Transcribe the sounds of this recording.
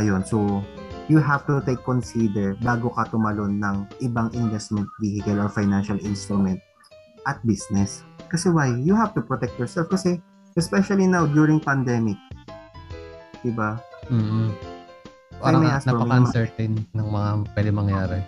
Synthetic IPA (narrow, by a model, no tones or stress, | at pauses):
ʔɐjo̞nsojuɦavt̪ʊt̪ejkːɔnsid̪ɛɹbaːɡokɐt̪ʊmɐlo̞nːɐŋʔɪbaŋʔɪnvɛst̪̚mɛ̃nt̪̚vihɪkɐloɹfajnanʃɐlɪ̃nst̪ɾʊmɛnt̪̚ | ʔɐt̪̚bisnɛskɐsɛwajːʊhavt̪ʊpɹɔt̪ɛk̚t̪̚jɔɹsɛlfkɐsɛ | ʔɛspɛʃɐlinawd̪juɹɪ̃ŋpɐnd̪ɛmɪk̚ | d̪̥ɪbam̩ː | ajmɐasɐpɐmasɛɹt̪ennɐŋmɐŋapwɛd̪ɪmɐŋjaːɾɛ